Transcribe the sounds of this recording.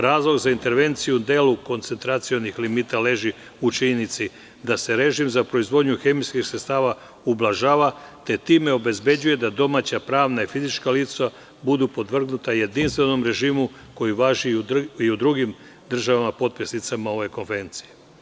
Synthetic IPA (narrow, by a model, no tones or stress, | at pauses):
ɾaːzlˠo̞ɡzaint̪e̞ɾʋe̞nt̪sijud̪e̞ːluko̞nt̪se̞nt̪ɾat̪sio̞nixlimiːt̪ale̞ːʒi | ut͡ʃiɲenit̪si | d̪ase̞ɾe̞ʒimzapɾo̞izʋo̞d̪ɲuxe̞mijskixsɾest̪aːʋa | ublˠaʒaːʋat̪e̞t̪iːme̞o̞be̞zbe̞d͡ʑuje̞d̪ad̪o̞mat͡ɕapɾaːʋnaifizit͡ʃkalit̪sa | bud̪upo̞d̪ʋr̩ɡnut̪aje̞d̪inst̪ʋe̞no̞mɾe̞ʒiːmu | ko̞jiʋaːʒiiud̪ɾuɡim | d̪r̩ʒaʋamapo̞t̪̚pisnit̪samao̞ʋe̞ko̞nfe̞ɾe̞nt̪si̥je